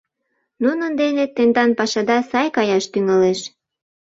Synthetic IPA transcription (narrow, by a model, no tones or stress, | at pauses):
nunənd̪enet̪ːend̪ɑnpɑʃɑd̪ɑsɑjkɑjɑʃt̪yŋɑleʃ